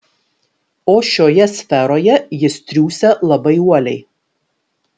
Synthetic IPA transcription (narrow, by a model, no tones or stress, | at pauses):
oːʃʲoːjɛsʲfʲɛɾoːjɛjɪst̪ʲɾʲuːsʲɛlˠɐbɐɪuɔlʲɛɪ